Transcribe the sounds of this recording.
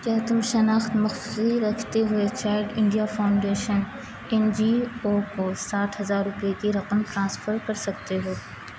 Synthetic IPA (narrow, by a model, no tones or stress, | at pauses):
kɐːt̪ʊmʃɐnaːxt̪mɐxsʊsiɾɐkʰt̪eɦʊet͡ʃaːɪɖɪ̃ɳɖijafaːʊ̃ɳɖeːʃən | ɛ̃nd͡ʒiːoːkosaːʈʰɦɐzaːɾːʊpekiɾɐqəmʈɾãːsfʰəɾkɐɾsɐk̚t̪eɦoː